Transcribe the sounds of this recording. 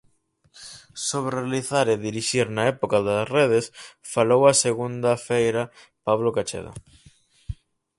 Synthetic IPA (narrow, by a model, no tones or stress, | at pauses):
soβɾrealiθaɾeðiɾiʃiɾnɐɛpokɐðɐsreð̞esfalowɐseɣund̪ɐfejɾɐ | paβlokat͡ʃḛðo̰